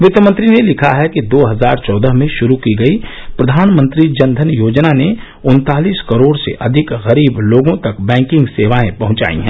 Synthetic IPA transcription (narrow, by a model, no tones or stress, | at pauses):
ʋɪt̪jəmə̃nt̪ɾinelɪkʰaɦɛkid̪oːɦɐzaːɾt͡ʃɔːd̪əɦmẽʃʊɾukiɡɐi | pɾɐd̪ʱaːnmə̃nt̪ɾid͡ʒɐ̃nd̪ʱənjoːd͡ʒnane | ʊnt̪aːliːskɐɾoːɽsḛʔɐd̪ʱɪkɣɐɾiːbloːɡõt̪ɐkbɛ̃ːŋkɪ̃ŋɡseːʋaːẽpɐɦʊ̃t͡ʃa̰ːḭɦɛ̰̃ː